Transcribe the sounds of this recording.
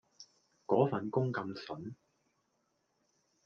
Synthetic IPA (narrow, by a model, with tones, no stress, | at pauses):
kɔː˨˥fɐ˨nkʊ˥ŋkɐ˧msɵ˨˥n